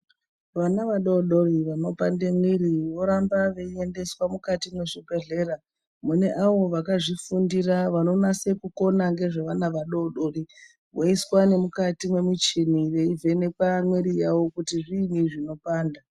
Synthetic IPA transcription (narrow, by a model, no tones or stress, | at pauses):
ʋanaʋaɗoɗo̞riʋano̞pandemwiɾiʋo̞ɾambaʋe̞ie̞nde̞swamukatimwe̞ʐipe̞ɮe̞ɾa | mune̞ʔaʋo̞ʋakaʐifundiraʋano̞nase̞kuko̞naŋɡe̞ʐeʋanaʋaɗo̞ɗo̞ri | ʋoiswane̞mukatimwe̞mit͡ʃiniʋe̞ivʱe̞ne̞kamweɾijawo̞kutiʐiniʐino̞paːnda